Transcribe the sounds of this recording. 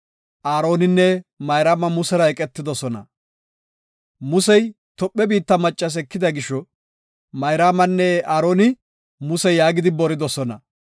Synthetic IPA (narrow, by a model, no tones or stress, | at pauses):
ʔaːɾo̞ːnɪnːɛmɐjɾaːmɐmʊsɛɾɐɛkʼɛt̪ːɪd̪ɔsɔnɐ̰ | mʊsɛj | t̪ɔpʼːɛbiːt̪ːɐmɐt͡ʃʼːɐs̬ɛkːɪd̪ɐɡɪʃːɔ | mɐjɾaːmɐnːɛaːɾo̞ːnɪ | mʊsɛjaːɡɪd̪ɪbɔɾɪd̪ɔsɔnɐ